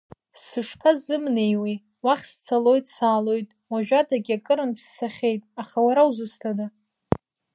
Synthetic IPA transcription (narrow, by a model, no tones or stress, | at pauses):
sɨʂpʰazɨmnejwej | waχʲst͡sʰalo̞jtʼsaːlo̞jtʼwaʒᶣatʰaɡʲakʼɨɾɨnpʰsːaχʲe̞jtʼaχawaɾawzɨstʰada